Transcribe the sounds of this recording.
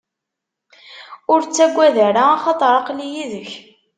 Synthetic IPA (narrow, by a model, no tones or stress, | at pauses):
ʊɾt͡sːæɡʷːæðæɾaɑχɑt̪ˤɾˤɑqlijiðəç